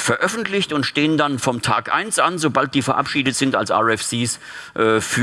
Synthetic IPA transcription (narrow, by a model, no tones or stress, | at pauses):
fɛɐʔœfn̩tʰlɪçtʊntʃteːəndanfɔmtʰa̰ːkʔa̰ɪnsʔanzobalt̚d̥iːfɛɐʔa̰pʃiːdətz̥ɪnta̰lsʔa̰ːɛfsiːs | ʔɛːfy